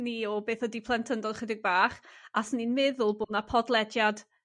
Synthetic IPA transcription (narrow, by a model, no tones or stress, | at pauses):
niɔbeːθɔdipʰlˠɛntʰəndɔd̥χədɪɡ̚baːχasninmɪðʊlˠboːdnapʰɔdlˠɛdjad̥